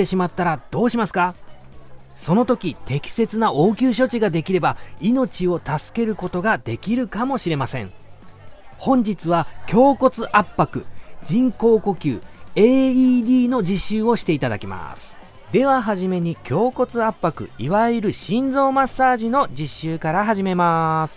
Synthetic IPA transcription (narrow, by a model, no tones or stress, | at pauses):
eɕimat̪ːaɾad̪̥o̞ːɕimasɨ̥ka | so̞no̞t̪o̞kʲit̪ʰe̞kʲi̥se̞t͡sɨnaʔo̞ːkʲɨːɕ̬o̞t͡ɕiɡad̪e̞kʲiɾe̞baino̞t͡ɕio̞t̪asɨ̥ke̞ɾɯ̟ko̞t̪o̞ɡad̪e̞kʲiɾɯ̟kamo̞ɕiɾe̞masẽ̞̰ɴ | hõ̞ɲ̟d͡ʑit͡sɨβakʲʰo̞ːko̞t͡sɨʔapːakɯ̟d͡ʑĩŋko̞ːko̞kʲɨ̰ːe̞ːiːd̪ʲiːnod͡ʑiɕːɨːo̞ɕi̥t̪e̞it̪ad̪a̰kʲima̰sɨ̥ | d̪e̞β̞aɦaʑime̞ɲ̟ikʲʰo̞ːko̞t͡sɨapːakɯ̟̰iβaiɾɯ̟ɕĩnd͡zo̞ːmasːaːʑino̞d͡ʑiɕːɨːkaɾaɦaʑime̞masɨ̥